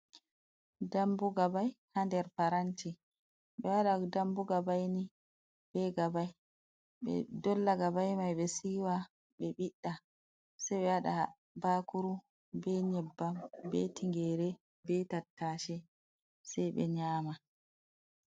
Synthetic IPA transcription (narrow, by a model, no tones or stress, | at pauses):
dambuɡabajhandɛɾpaɾanti | ɓɛwaɗadambuɡabajni | bɛɡabaj | ɓɛ̰dɔlːaɡabajmajɓɛsiːwa | ɓɛɓiɗːa | sajɓɛwaɗa | baːkuɾu | bɛɲɛbːambɛtiŋɡɛːɾɛ | bɛtatːaːʃɛ | sajɓɛ̰ɲaːma